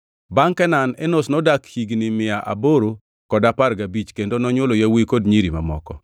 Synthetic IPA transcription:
baŋkɛnanɛnosnɔdakhiɡnimɪaʔa̰boɾo | kɔdaparɡabit͡ʃkendonɔɲwolojawikodɲiɾima̰mɔ̰kɔ

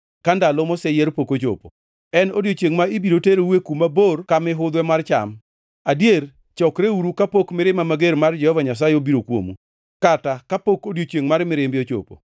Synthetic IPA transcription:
kandalɔmɔsɛjɛɾpokot͡ʃo̰po̰ | ɛnodjot͡ʃeŋmaɪbiɾoteɾowekumaborkamɪɦʊd̪wɛmart͡ʃa̰m | adjeɾ | t͡ʃɔkɾeuɾukapokmɪɾɪmamaɡeɾmard͡ʒɛhɔvaɲas̬ajeobiɾokwo̰mṵ | katakapokodjot͡ʃeŋmaɾmɪɾɪmbɪot͡ʃo̰po̰

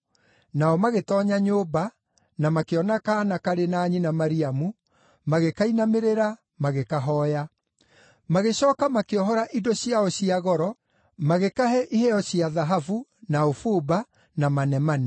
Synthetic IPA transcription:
naɔmaɣetɔɲaɲoːba | namakeɔnakanakaɾenaɲinamaɾiamu | maɣekainameɾeɾa | maɣekaɦɔja | maɣeɕɔːkamakeɔɦɔɾaʔidoɕiaɔɕiaɣɔɾɔ | maɣekaɦɛʔihɛɔɕiaðaɦavunaofuːba | namanɛmanɛ

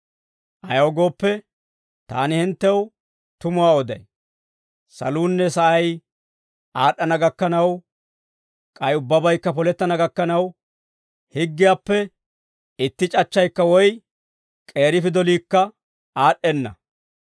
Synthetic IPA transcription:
ʔɐjɐwɡo̞ːpːɛ | t̪a̰ːnɪhɪnt̪ːɛw | t̪ʊmʊwaːɔd̪ɐj | sɐ̰luːnːɛsɐʔɐj | ʔaːɗːɐnɐɡɐkːɐnɐw | kʼɐjʊbːɐbɐjkːɐpɔlɛt̪ːɐnɐɡɐkːɐnɐw | hɪɡːɪjaːpːɛ | ɪt̪ːɪt͡ʃʼɐt͡ʃːɐjkːɐwɔj | kʼe̞ːɾɪfɪd̪ɔliːkːɐ | aːɗːɛnːɐ̰

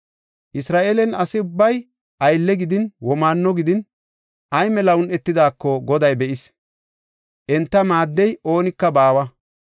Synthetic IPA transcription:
ʔɪsɾaːʔeːlɛnɐsɪʊbːɐj | ʔɐjlːɛɡɪd̪ɪnwɔmaːnːɔɡɪd̪ɪn | ʔɐjmɛlɐʊnɛt̪ːɪd̪aːkːɔɡɔd̪ɐjbɛʔɪs | ʔɛnt̪ːɐmaːd̪ːɛjʔo̞ːnɪkːɐbaːwɐ

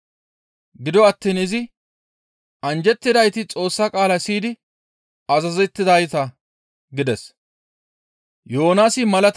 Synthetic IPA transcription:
ɡɪd̪ɔɐt̪ːiːnɪzɪ | ɐnd͡ʒɛt̪ːɪd̪ɐjt̪ɪt͡sʼo̞ːsːɐkʼaːlɐsiːd̪ɪ | ɐzɐzɛt̪ːɪd̪ɐjt̪ɐ | ɡɪd̪ɛs | jo̞ːnaːsɪmɐlɐt̪

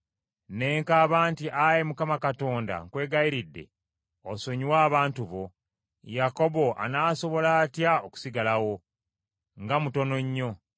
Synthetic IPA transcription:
ne̞ːŋkaːβaːntiʔajemukamakato̞ːnda̰ŋkwe̞ːɡajiɾidːe̞̰ | oso̞ɲiwaːβaːntuβo̞ | jako̞bo̞ʔa̰naːso̞βo̞laːtjaoku̥siɡalawo̞ | ŋɡamuto̞no̞ɲːo̞

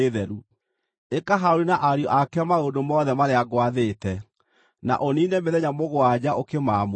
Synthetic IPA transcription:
ðɛɾu | ekaɦaoɾinaʔaɾjɔʔakɛmaodomɔðɛmaɾeaɣwaðeːtɛ | na̰ʔoninɛmeðɛɲamoɣwad͡ʑaʔokemamo

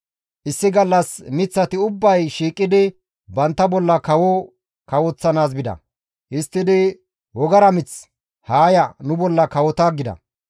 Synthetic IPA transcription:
ʔɪsːɪɡɐlːɐsmɪt͡sːɐt̪ɪʊbːɐjʃiːkʼːɪd̪ɪ | bɐnt̪ːɐbɔlːɐkɐwɔ | kɐwɔt͡sːɐnaːs̬bɪd̪ɐ̰ | hɪst̪ːɪd̪ɪ | wɔɡɐɾɐmɪt͡s | haːjɐnʊbɔlːɐkɐwɔt̪aːɡɪd̪ɐ̰

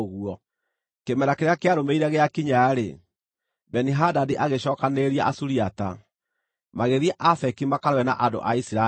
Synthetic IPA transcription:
ɣuɔ | kemɛɾakeɾeakeaɾomeiɾɛɣeakiɲaːɾḛ | bɛniɦadadiʔaɣeɕɔːkaneɾiaʔasuɾiata | maɣeðiaʔafɛkimakaɾwɛna̰ʔando̰ʔaisiɾa

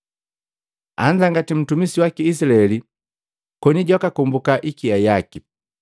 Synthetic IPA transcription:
a̰ɲd͡ʒaŋɡatim̩tumisiwakiːs̬ilaɛli | kɔniɟɔkakumbukaʔikiajaki

